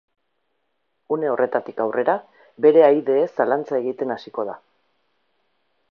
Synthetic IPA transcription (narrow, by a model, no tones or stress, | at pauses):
une̞o̞rʔe̞t̪at̪ikawre̞ɾa | be̞ɾe̞ajðe̞ːsalant͡sae̞ɣ̞it̪e̞nasiko̞ð̞a